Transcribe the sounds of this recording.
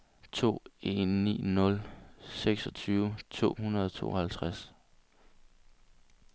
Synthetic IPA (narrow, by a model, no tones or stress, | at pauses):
t͡sʰo̝̰ːe̝nːḭːnɔ̽lseɡ̥sɒ̽t͡sʰyːʊət͡sʰo̝̰ːhunɐðˠɒt͡sʰo̝̰ːɒhælt͡sʰʁas